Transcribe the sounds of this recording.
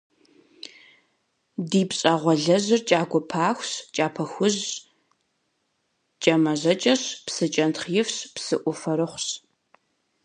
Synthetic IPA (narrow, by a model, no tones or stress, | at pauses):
diːpɕʼaːʁʷɔɮɐʑɪrt͡ʃʼaːɡʷɔpʰaːxʷɕt͡ʃʼaːpʰɐxʷʊʑ | t͡ʃʼɐmɐʑɐt͡ʃʼɐɕpsɨt͡ʃʼɐntχjɪfɕpsɨʔʷʊfɐɾɨχʷɕ